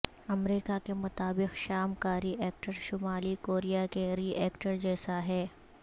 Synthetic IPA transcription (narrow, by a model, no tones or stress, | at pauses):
ɐmɾiːkakemʊt̪aːbɪqʃaːmkaːɾiʔɛːk̚ʈəɾʃʊmaːlikoːɾijakeɾiːɛːkʈəɾd͡ʒɛːsaɦɛː